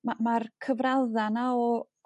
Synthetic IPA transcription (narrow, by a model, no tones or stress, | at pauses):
mamarkʰəvralˠðanaɔ